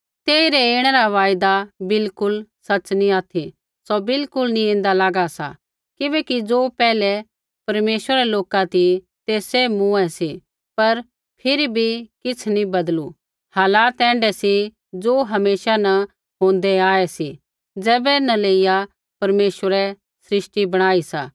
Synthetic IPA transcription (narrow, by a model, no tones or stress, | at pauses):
t̪eːiɾɛeːɽ̃ɛɾaʋaːjd̪abɪlkʊlsɐt͡ʃnĩaːt̪ʰi | sɔbɪlkʊlnĩẽːnd̪alaːɡasa̰ | kɪbɛːkid͡zoːpɛːlɛ | pɐɾmeːʃwəɾɛloːkat̪i | t̪eːsemũɛsi | pɐɾ | pʰɪɾibʱikɪt͡sʰnĩbɐd̪lu | haːlaːt̪ɛ̃ːɳɖɛsi | d͡zoːɦɐmeːʃanɐ | ɦõːnd̪ɛaːɛsi | d͡zɛːbɛnɐ̃leːija | pɐɾmeːʃwəɾɛ | sɾɪʃʈibɐɽ̃aːisa̰ː